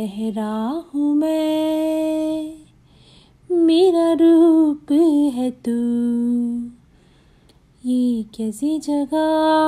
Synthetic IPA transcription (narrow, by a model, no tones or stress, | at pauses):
ɛɦɾahũmẽ | meɾaɾupəɦɛt̪u | jekɛsid͡ʒɐɡa